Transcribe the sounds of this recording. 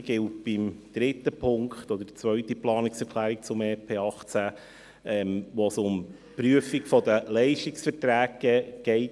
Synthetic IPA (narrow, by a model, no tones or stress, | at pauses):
ɡ̥ɪlt̚b̥ɪmd̪̥ɾɪtːəpʰʊŋkχt̪ɔdəd̥t͡sʋœʏtiplɑːnɪksɛɾkʰlæːɾik̚t͡sʊmɛːpʰeːɑχt͡sæ | ʔɛmʋoːsʊm | pɾyəfikfɔd̪əlɛɪʃtiksfəɾtɾæːɡəɡ̥ɛɪt